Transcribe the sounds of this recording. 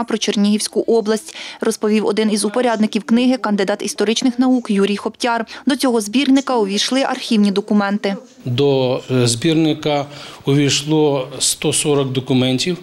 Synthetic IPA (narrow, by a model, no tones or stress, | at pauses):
pɾɔt͡ʃernʲiɦiwsʲkʊʔɔblˠɐsʲtʲrɔspɔʋʲiwɔd̪ɪnizʊpɔɾʲɑd̪nɪkʲiwknɪɦɪkɐnd̪ɪd̪ɑt̪ist̪ɔɾɪt͡ʃnɪxnɐukjuɾʲijxɔptʲɑrd̪ɔt͡sʲɔɦɔzbʲirnɪkɐɔʋʲijʃlˠɪʔɐrxʲiwnʲid̪ɔkʊmɛnt̪ɪ | d̪ɔzbʲirnɪkɐɔʋʲijʃlˠɔst̪ɔsɔɾɔkd̪ɔkʊmɛnʲtʲiw